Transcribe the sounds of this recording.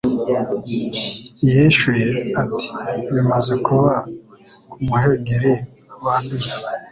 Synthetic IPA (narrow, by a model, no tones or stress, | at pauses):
iheʃujeatʰi̥βimazekuβakumuheŋɡeɾe | waːnduje